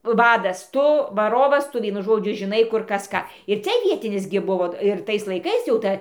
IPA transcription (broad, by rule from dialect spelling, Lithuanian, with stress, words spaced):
ˈʋɑːdɐs ˈtʊ ʋɐˈroːʋɐs ˈtʊ ˈʋʲiɛnʊ ˈʒoːd͡ʒʲʊ ʒʲɪˈnɐɪ ˈkʊr ˈkɐs ˈkɑː ɪr ˈt͡sʲɛ ˈʋʲiɛtʲɪnʲɪs ɡʲɪ ˈbʊʋoː ɪr ˈtɐɪs lˠɐɪˈkɐɪs jɛʊ ˈtɐ